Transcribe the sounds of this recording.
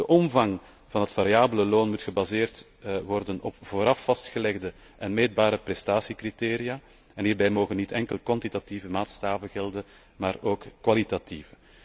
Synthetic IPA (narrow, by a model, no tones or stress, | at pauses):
d̥əʔɔmvɑŋ | v̥ɑnɦətfaɾijaːbələloːnmutxəbazeːrt | ʋɔrdənɔ̰pv̥oːɾɑfːɑstxəlɛɣdə | ʔɛnmeːd̚baːɾəprɛstaːsikriteːɾijaː | ɛnɦiːrbɛjmoːɣənːitɛŋkəlˠkwɑntitativəmaːtstaːvəɣɛlˠdən | maːroːkkːʋɑlitativə